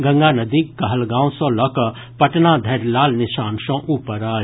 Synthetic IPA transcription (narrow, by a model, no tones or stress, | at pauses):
ɡɐ̃ŋɡaːnɐd̪iːkkɐɦəlɡãːw̃sõːlɐk | pɐʈnad̪ʱɐɾlaːlnɪʃaːnʃõːʔuːpəɾaː